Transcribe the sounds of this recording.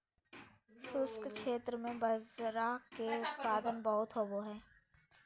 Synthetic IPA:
sʊskkʃeːt̪ɾəmẽbɐzɾaːkːeʊt̪paːd̪ənbɔɦʊt̪ɦoboɦɛː

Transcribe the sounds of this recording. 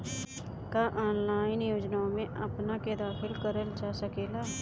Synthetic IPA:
kaʔɔːnlaːɪnjoːd͡ʒnaõmẽʔɐpnaked̪aːxɪlkəɾəld͡ʒaːsəkeːlaː

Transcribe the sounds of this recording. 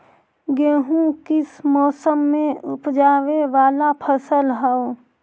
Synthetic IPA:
ɡeːɦũkɪsmɔːsəmːẽʊpd͡ʒaːweʋaːlapʰəsəlɦɛo

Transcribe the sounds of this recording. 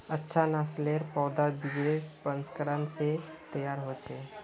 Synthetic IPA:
ətːʃʰanasleɾpɔːd̪abid͡ʒepənskəɾənset̪əjaɾɦot͡ʃʰe

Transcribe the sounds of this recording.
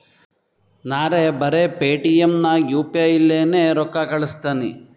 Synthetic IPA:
naːɾebɐɾepeːʈijemnɐjuːpiajilːeːneɾɔkːɐkɐɭust̪aːnḭ

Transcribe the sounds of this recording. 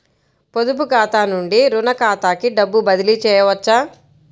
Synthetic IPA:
pod̪up̬ukaːt̪aːnuɳɖiɾunɐkaːt̪aːkiɖɐbːubɐd̪ilit͡ʃɛːjɐʋɐt͡ʃːaː

